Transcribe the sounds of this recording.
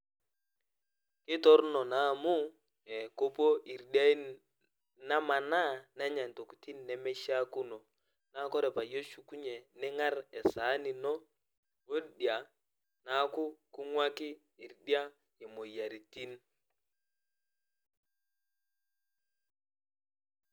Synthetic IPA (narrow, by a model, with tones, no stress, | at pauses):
kɪ˦tɔ˦ɾnɔ˨na˦˨mu˦ | ɛ˨ko˦po˦ʔi˨ɾdja˦i˦ | na˦ma˨na˦na˦ɲa˨n˨to˨ku̥˨ti˦nːɛ˨˦mɛ˦ʃa˦ku˦no˨ | na˦kɔ˦ɾɛ˨pa˨je˦ʃu˨ku˦ɲe˨nɛ˦ŋa˦ɾɛ˨sa˨˦ni˨nɔ˦ | o˦dja˨ | na˦ku˦ku˦ŋwa˦kɪ˦ | i˨ɾdi˦a˦ | i˨mo˨ja˨ɾi˨ti˦n